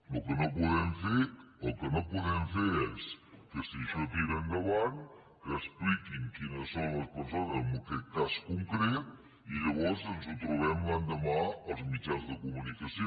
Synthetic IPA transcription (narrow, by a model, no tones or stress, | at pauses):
lukənopuðɛmfeəlˠkənopuðɛɱfeɾɛskəsiʃət̪iɾəŋɡəβaŋ | kəːsplikiŋkinəsːonləspəɾsonəzəmbəkɛt̪̚kaskuŋkɾɛt̪̚ | iʎəβɔɾzənzut̪ɾuβ̞ɛmland̪əmaəlˠzmit͡ʃanzðəkumunikəsio